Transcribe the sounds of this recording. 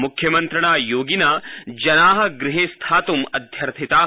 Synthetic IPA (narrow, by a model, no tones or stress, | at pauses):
mukʰjɐmɐnt̪ɾɐɳaːjoːɡinɐd͡ʒɐnaːɦɐ̆ɡɾɪɦeːst̪ʰaːt̪umɐd̪ʱjɐɾt̪ʰit̪aː